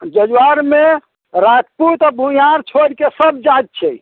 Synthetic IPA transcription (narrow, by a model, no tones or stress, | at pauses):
d͡ʒəd͡ʒwaɾme | ɾat̪put̪abʱũjaɾt͡ʃʰoɽkesəb̚d͡ʒad͡ʒ̚t͡ʃʰɛ